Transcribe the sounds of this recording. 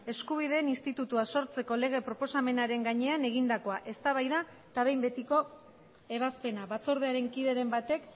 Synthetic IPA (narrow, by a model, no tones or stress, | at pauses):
e̞skuβ̞ið̞e̞ːninst̪it̪ut̪uaso̞ɾt͡se̞ko̞le̞ɣ̞e̞pɾo̞po̞same̞naɾe̞ŋɡaɲe̞ane̞ɣ̞ind̪ako̞aʔe̞st̪aβajða | t̪aβe̞jmbe̞t̪iko̞ | e̞βaspe̞naβat͡soɾð̞eaɾe̞ŋkiðe̞ɾe̞mbat̪e̞k